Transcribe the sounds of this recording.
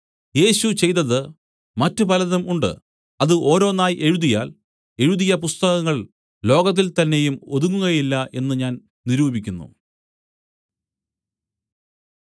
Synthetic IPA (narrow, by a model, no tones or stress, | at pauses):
je̞ːɕut͡ɕe̞jt̪ɐðɨ | mɐtːɨpɐlɐðɐmʔuɳɖɨ̰ | ɐðɨʔo̞ːɾo̞ːnaːjʔe̞ɻuðijaːl | e̞ɻuðijɐpust̪ɐɣɐŋːɐɭ | lo̞ːɡɐt̪̬ːilt̪ɐnːe̞jumo̞ðuŋːuɣɐjilːɐʔe̞nːɨɲaːn | niɾuːbikʲːunːṵ